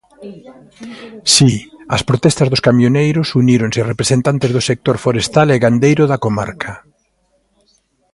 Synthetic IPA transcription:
siɐspɾot̪ɛst̪ɐzðʊskamjonejɾʊsuniɾoŋsɪrepɾesent̪ant̪ezðʊsek̚t̪oɾfoɾest̪aleɣand̪ejɾʊðɐkoma̰ɾkʰɐ

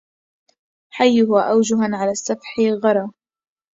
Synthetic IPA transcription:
ħajːʊhaʔawd͡ʒʊɦanʕalaːsːafħɪɣɑɾˤɑː

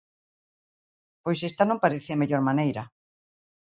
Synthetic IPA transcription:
pojsest̪anõmpaɾeθemeʎoɾmanejɾɐ

